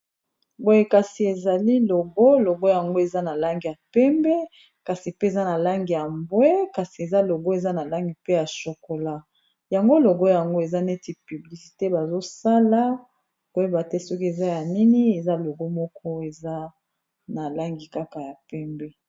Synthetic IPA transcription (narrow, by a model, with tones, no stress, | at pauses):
bo˦je˦ka˨si˨e˨za˨li˦lo˨ɡo˦lo˨ɡo˦ja˨ŋɡo˦e˨za˦na˨la˦ŋɡi˨ja˨pɛ˦mbɛ˦ | ka˨si˨pe˦e˨za˦na˨la˦ŋɡi˨ja˨mbwe˦ka˨si˨e˨za˦lo˨ɡo˦e˨za˦na˨la˦ŋɡi˨pe˦ja˨so˨ko˨la˦ | ja˨ŋɡo˦lo˨ɡo˦ja˨ŋɡo˦e˨za˦ne˦ti˨py˨bli˨si̥˨te˦ba˨zo˦sa˦la˦ | o˦jo˦ba˨tɛ˦sɔ˦ki˦e˨za˦ja˨ni˦ni˦e˨za˦lo˨ɡo˦mɔ˦kɔ˦e˨za˦ | na˨la˦ŋɡi˨ka˦ka˨ja˨pɛ˦mbɛ˦